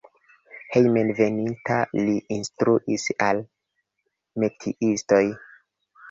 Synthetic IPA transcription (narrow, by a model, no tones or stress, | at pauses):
hejmenve̞nintaliʔinstɾuʔisal | metʰiʔisto̞j